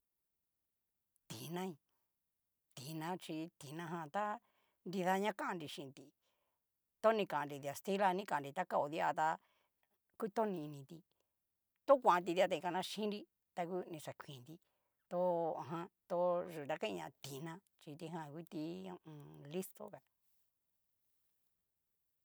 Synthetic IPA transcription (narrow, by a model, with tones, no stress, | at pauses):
t̪i˨nã˦i˧ | t̪i˨nã˧t͡ʃi˧t̪i˨nã˧ɦã˧t̪a˦ | nd̪i˧ða˧ɲã˦kã˦ʔɾi˧ʃĩ˧t̪i˧ | t̪o˦nĩ˧kã˨ã˧ɾi˧ði˧a˨st̪i˦la˧nĩ˦kã˧˨˧ɾi˧t̪a˦ka˦˧o˧ði˧˦a˧t̪a˧ | ku˦˧t̪o˦nĩ˧nĩ˧t̪i˧ | t̪o˦kʷã˨ã˧t̪̬i˧ði˧a˧ã˧ĩ˧kã˧nã˧ʃĩ˦nɾi˧ | t̪a˧ku˦˧nĩ˧sa˨kʷĩ˨nd̪i˧ | t̪o˧ã˧˨ɦã˧t̪o˧ʐu˨a˧kã˦ĩ˧ɲã˧t̪i˨nã˧ | t͡ʃi˧t̪i˧ɦã˧kʷu˦t̪ĩ˧ũ˧li˦st̪o̰˧ka˧